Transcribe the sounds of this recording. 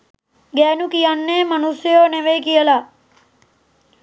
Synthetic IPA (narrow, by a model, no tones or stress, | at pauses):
ɡɛːnukijanːemənusjəjoːneʋekijəla